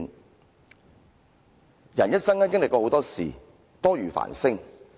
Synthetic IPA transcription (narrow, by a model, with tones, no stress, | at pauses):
n | jɐ˨njɐ˥t̚sɐ˥ŋaː˥kɪ˥ŋlɪ˨kɔː˧ho˨˥wt̪ɔː˥sḭː˨˩ | t̪ɔː˥ɥyː˨˩fa̰ː˨˩nsɪ˥ŋ